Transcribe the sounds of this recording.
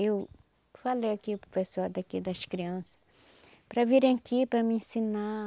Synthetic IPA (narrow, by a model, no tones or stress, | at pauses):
ew | falejakiʊpɾofesoɾd̪akid̪ɐskɾiɐ̃sɐ̥ | pɾɐviɾ̃akipɾɐmiĩsina